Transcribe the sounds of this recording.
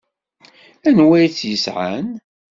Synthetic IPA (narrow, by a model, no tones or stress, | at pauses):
ænwæjt͡sːjəsʕa̰n